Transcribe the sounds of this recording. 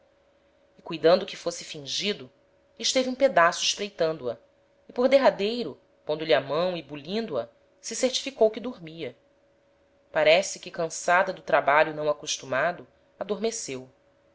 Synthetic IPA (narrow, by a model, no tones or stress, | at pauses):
ɪkujd̪ɐ̃nd̪ʊkɪfosɪfĩʒid̪ʊ | ɪʃt̪eviũped̪asʊɪʃpɾejt̪ɐ̃nd̪ʊɐ | ɪpoɾd̪eɦad̪ejɾʊ | põnd̪ʊʎiamɐ̃w̃ɪbulĩnd̪ʊɐ | sɪseɾt͡ʃi̥fikowkɪd̪uɾmiɐ | paɾɛsɪkɪkɐ̃sad̪ɐd̪ʊt̪ɾabaʎʊnɐ̃w̃akuʃt̪umad̪ʊ | ad̪oɾmesew